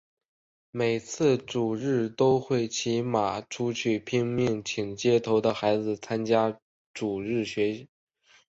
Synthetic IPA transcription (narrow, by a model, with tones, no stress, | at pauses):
me˨˩ɪt͡sʰɹ̩˥˩ʈ͡ʂu˨˩ɻɻ̩˥˩t̪o˥ʊxwe˥˩ɪt͡ɕʰi˧˥ma˨˩ʈ͡ʂʰu˥t͡ɕʰy˥˩pʰi˥ŋmi˥˩ŋt͡ɕʰi˨˩ŋt͡ɕjɛ˥˩t̪ʰo˧˥ʊd̪ə˧xa˧˥ɪd͡zɹ̩˧t͡sʰa˥nt͡ɕja˥ | ʈ͡ʂu˨˩ɻɻ̩˥˩ɕɥɛ˧˥